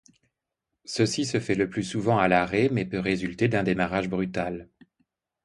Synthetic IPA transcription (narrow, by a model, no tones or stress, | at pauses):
səsisəfɛləplysuvɑ̃alaʁemɛpøʁezylt̪ed̪ɛ̃d̪emaʁaʒbʁyt̪al